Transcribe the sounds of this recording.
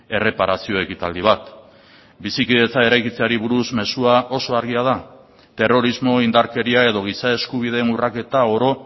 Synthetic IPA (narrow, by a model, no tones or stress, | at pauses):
e̞re̞paɾasio̞e̞kit̪ald̪iβat̪ | bisikiðe̞t͡sae̞ɾajkit͡seaɾiβuɾuzme̞suaʔo̞so̞aɾɣiað̞a | t̪e̞ro̞ɾizmo̞ind̪aɾke̞ɾiae̞ð̞o̞ɣ̞isae̞skuβ̞ið̞e̞ːnurake̞t̪ao̞ɾo̞